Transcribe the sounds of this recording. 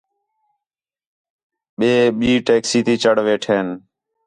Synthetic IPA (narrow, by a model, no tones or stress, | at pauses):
ɓeːɓiːʈeːksiːt̪iːt͡ʃəɽʋeːʈʰeːn